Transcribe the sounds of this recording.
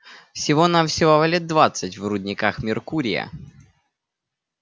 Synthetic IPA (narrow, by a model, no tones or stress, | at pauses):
fsʲɪvonamfsʲɪvovɐlʲed̪̚d̪vat̪sɨtʲvrʊdʲnʲɪkaxmʲɪrkuɾʲɪjə̰